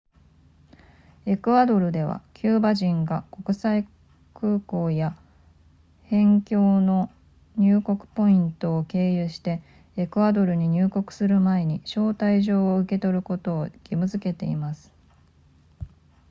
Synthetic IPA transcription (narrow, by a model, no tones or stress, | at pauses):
e̞kɯ̟ad̪o̞ɾɯ̟d̪e̞βa̰kʲʰɨːbaʑĩŋɡako̞kɯ̟sai | kɯ̟ːko̞ːja | hẽ̞ŋkʲo̞ːno̞ | ɲ̟ɨːko̞kɯ̟̥po̞ĩnt̪o̞ːke̞ːjɯɕi̥t̪e̞ː | kɯ̟ad̪o̞ɾɯ̟ɲ̟iɲ̟ɨːko̞kɯ̟̥sɨɾɯ̟mae̞ɲ̟iɕo̞ːt̪aiʑo̞ːoɯ̟ke̞t̪o̞ɾɯ̟ko̞t̪o̞ːɡ̥ʲimɯ̟zɨke̞t̪e̞ḭmasɨ̥